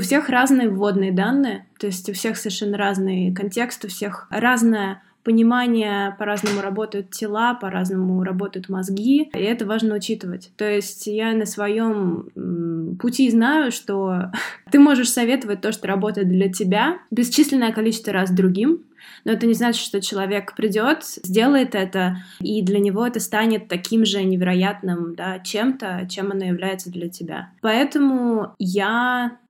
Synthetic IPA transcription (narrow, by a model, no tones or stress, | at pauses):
ʊfsʲe̞xraznɨjəvvːo̞d̪nɨjəd̪anːɨjət̪o̞ɪsʲtʲʊfsʲe̞xsəvʲɪʂɛnːəɾaznɨjkɐnʲtʲe̞kst̪ʊfsʲe̞xraznəjə | pənʲɪmanʲɪjəpɐɾaznəmʊɾɐbo̞t̪əjʊt̪tʲɪlˠapɐɾaznəmʊɾɐbo̞t̪əjʊt̪mɐzɡʲiɪɛt̪əvaʐnəʊt͡ɕit̪ɨvə̰tʲt̪o̞ɪsʲtʲjanəsvɐjo̞m | pʊtʲiznajʊʂt̪ot̪ɨmo̞ʐɨʂsɐvʲe̞t̪əvət̚ʲt̪ːo̞ʂt̪oɾɐbo̞t̪əjɪt̪̚d̪lʲɐtʲɪbʲabʲɪst͡ɕisʲlʲɪnːəjəkɐlʲit͡ɕɪst̪vəɾazd̪ɾʊɡʲim | no̞ɛt̪ənʲɪznat͡ɕɪ̥t̪ʂt̪o̞t͡ɕɪlˠɐvʲe̞kpɾʲɪdʲo̞t̪zʲdʲe̞lˠəjɪt̪ɛt̪əid̪lʲənʲɪvo̞ɛt̪əst̪anʲɪt̪ːɐkʲimʐɨnʲɪvʲɪɾɐjat̪nɨmd̪at͡ɕe̞mt̪ət͡ɕemɐnojɪvlʲæjɪt̪səd̪lʲɐtʲɪbʲa̰pɐɛt̪əmʊja